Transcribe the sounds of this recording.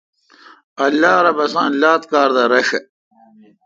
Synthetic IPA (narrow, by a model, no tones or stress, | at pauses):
ɐlːaːɾɐbɐsãːnlaːt̪̚kaːɾd̪ɐɾɐʂɐ